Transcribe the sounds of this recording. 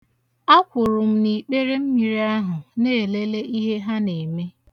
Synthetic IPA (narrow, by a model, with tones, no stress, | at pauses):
a˦kʷʊ˨ɾʊ˨m̩˦ni˨k͡pe˦ɾe˦m̩˦mi˨ɾi˦a˦ɦʊ˨neː˦˨le˦le˦ʔi˦ɦe˦ɦa˦ne˨me˦